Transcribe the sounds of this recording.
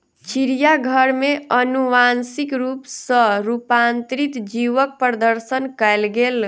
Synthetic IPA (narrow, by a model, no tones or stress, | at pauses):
t͡ʃʰiɾijaɡʱəɾmeənuʋansikɾupsə̃ɾupant̪ɾit̪d͡ʒiʋək̚pɾəd̪əɾsənkɛjlɡel